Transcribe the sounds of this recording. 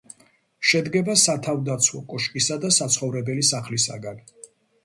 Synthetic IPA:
ʃɛd̪ɡɛbasat̪ʰavd̪at̪sʰwɔkʼɔʃkʼisad̪asat̪sʰχɔvɾɛbɛlisaχlisa̰ɡan

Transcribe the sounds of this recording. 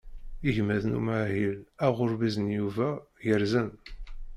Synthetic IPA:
iʝmæðnṵmaʕɦilæʁʊɾbizənjuvæjəɾzən

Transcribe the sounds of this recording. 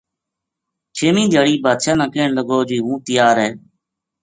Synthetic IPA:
t͡ʃʰeːmĩːd̪ʱjaːɽiːbaːd̪ʃaːnãːkeːɳləɡoːd͡ʒiːɦũːt̪ɪjaːɾɦɛː

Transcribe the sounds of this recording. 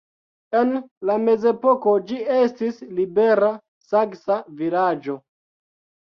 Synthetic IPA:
e̞nlame̞ze̞poko̞d͡ʒie̞stislibe̞ɾa | saksavilad͡ʒo̞

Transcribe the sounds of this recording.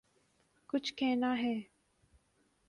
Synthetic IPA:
kʊt͡ʃʰkeːnaːɦɛː

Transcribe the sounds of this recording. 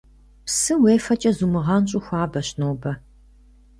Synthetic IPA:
psɨweːfɐt͡ʃʼɐzumɨʁɐnɕʼʊxʷɑːbɐɕnoːbɐ

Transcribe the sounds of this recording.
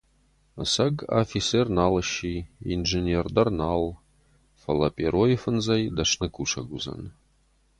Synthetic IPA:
sɐɡa̰fʲisernaːləʃiinʐenʲerd̪ɐrnal | fɐlˠɐpʲʼeɾojɪfɨnzɐjd̪ɐʂnɨkʰʷʼuʂɐ̰ɡuzɐ̰n

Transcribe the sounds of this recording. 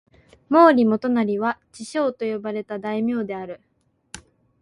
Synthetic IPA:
mo̞ːɾʲimo̞t̪o̞naɾʲiβat͡ɕiɕo̞ːt̪o̞jo̞baɾe̞t̪ad̪aimʲjo̞ːd̪e̞aɾɯ̟

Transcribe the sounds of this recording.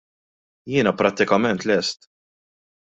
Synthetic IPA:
jɪːnɐpɾɐt̪ːɪkɐmɛnt̪lɛst̪

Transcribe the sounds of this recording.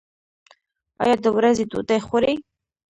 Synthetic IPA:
ɑ̰jɑd̪əwɾazet̪ṵt̪ajxoɾe

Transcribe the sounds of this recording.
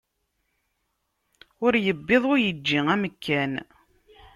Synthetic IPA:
ʊɾjəbːeðˤʊjəd͡ʒːiŋæməkːæn

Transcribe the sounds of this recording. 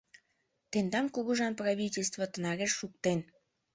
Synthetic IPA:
t̪end̪ɑmkuɣuʒɑnprɑβʲitʲelʲs̬t̪vət̪ə̆nɑɾeʃːuk̚t̪en

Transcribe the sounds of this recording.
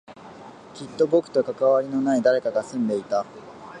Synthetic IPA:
kʲit̪ːo̞bo̞kɯ̟̥t̪o̞kakaβaɾʲino̞naid̪aɾe̞kaɡasɨ̃nd̪e̞it̪a

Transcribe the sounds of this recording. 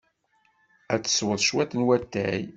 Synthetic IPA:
æt͡sːə̥swəðˤʃwæt̪ːənwæt̪ːæj

